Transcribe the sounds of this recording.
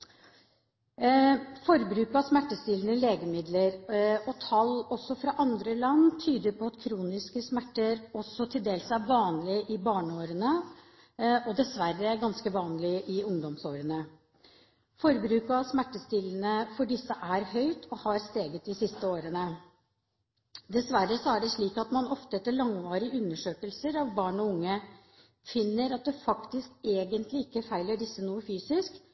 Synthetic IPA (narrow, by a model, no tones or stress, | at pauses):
fɔɾbɾʉːkɑsmæʈːəst̪ɪːlənəleːɡəmɪd̪ləɾɔt̪ʰɑlɔsːɔfɾɑʔɑnd̪ɾəlɑnːt̪ʰyːd̪əɾpʰɔɑt̪kʰɾuːnɪskəsmæʈːəɾɔsːɔt̪ʰɪld̪eːlsæɾʋɑːnlɪʔɪbɑːɳəoːɾənə | ʔɔd̪ɛsʋæɾːəɡɑnskəʋɑːnlɪʔɪʊŋd̪ɔmsoːɾənə | fɔɾbɾʉːkɑʋsmæʈːəst̪ɪln̩əfɔɖɪsːəʔæɾhœʏt̪ʰɔhɑːɾst̪eːɡət̪̚d̪ɪsɪst̪əoːɾənə | d̪ɛsʋæɾːəsɔæɖɛʂɭiːkɑt̪mɑnɔft̪əɛt̪ːəɭɑŋʋɑːɾɪʉnːəʂøːkəlsəɾɑʋbɑːɳɔʊŋːə | fɪnːəɾɑt̪̚d̪ɛfɑkt̪ɪskeːɡənt̪lɪɪkːəfæɪləɖɪsːənuːəfyːsɪsk